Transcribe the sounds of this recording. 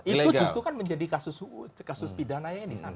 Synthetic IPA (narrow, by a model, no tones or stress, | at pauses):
iluɡd͡ʒussɾukanməɲd͡ʒadikasʊskasʊspidanaɲaadisa̰na